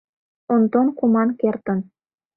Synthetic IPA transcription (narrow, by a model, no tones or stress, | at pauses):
ont̪onkumɑnkert̪ə̆n